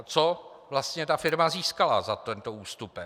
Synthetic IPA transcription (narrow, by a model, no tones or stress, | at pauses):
t͡so | vlast̪ɲɛt̪afɪɾmaziːskala̰zat̪ɛnt̪ouːst̪upɛ